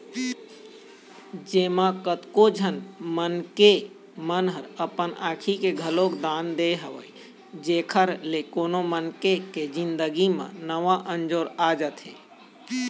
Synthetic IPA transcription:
d͡ʒeːmãkət̪kod͡ʒʱənmənke | mənɦəɾəpənaːkʰikeɡʱəlokd̪aːnd̪eɦəʋəj | d͡ʒeːkʰəɾlekoːnomənkeked͡ʒĩnd̪əɡimə̰̃nəʋãʔə̃nd͡ʒoːɾad͡ʒət̪ɦḛː

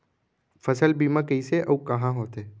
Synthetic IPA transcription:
fʰəsəlbiːmãkəiseʔəũkɐɦãɦoːt̪eː

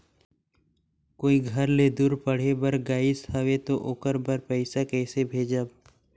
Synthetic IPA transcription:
koːiɡʱɐɾled̪uːɾpəɽ̤ebəɾɡaːɪsʰaʋet̪oʔoːkəɾbəɾpɛɪsakɛːsebʱeːd͡ʒaːb

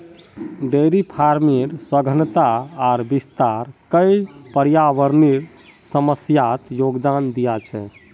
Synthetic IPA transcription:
ɖeɾipʰaɾmiɾsəɡʱənt̪aːɾbist̪aɾkəjpəɾjaʋəɾniɾ | səməsjat̪joɡd̪and̪ijat͡ʃʰɛ̰

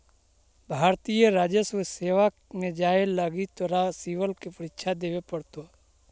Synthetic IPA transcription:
bʱaːɾt̪ijəɾaːd͡ʒəsʋəseːʋa | mẽd͡ʒaːeləɡit̪oɾasiʋəlkepəɾɪkʃʰad̪eːʋepəɽt̪o

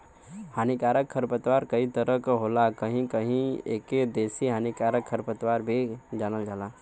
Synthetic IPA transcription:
haːnikaːɾəkʰəɾpət̪ʋaːɾkɐit̪əɾəkɦoːlakɐɦĩkɐɦĩḛːked̪eːsiɦaːnikaːɾəkʰəɾpət̪ʋaːɾbʱid͡ʒaːnəld͡ʒaːlaː

